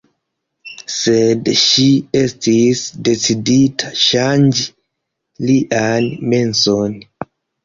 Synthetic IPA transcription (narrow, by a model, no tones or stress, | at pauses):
sedʃiestʰisdet͡siditʰaʃand͡ʒ | liʔanmenson